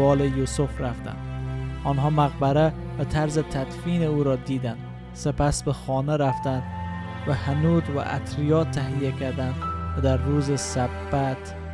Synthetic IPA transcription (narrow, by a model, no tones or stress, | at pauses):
ɒːlejusofɾaft̪æ̰nd̪ɒnɦɒːmæɣbæɾæ | væt̪ʰæɾzet̪ʰæd̪fiːneuːɾɒːd̪iːd̪ænd̪ | sepæsbexɒːnæɾæft̪ænd̪ | væhænud̪væ̰ʔæ̰t̪ʰɾijɒːt̪ʰːæɦijækʰæɾd̪ænd̪væd̪æɾːuːzesæbːæt̪